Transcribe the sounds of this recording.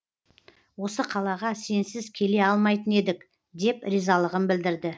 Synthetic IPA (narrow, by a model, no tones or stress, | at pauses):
wo̞səqʰɑlˠɑʁɑse̞nsɪzkʲʰe̞le̞ɑlˠmɑjt̪əne̞d̪ɪk | d̪e̞pɾizɑlˠəʁənbɪld̪ɪɾd̪ɪ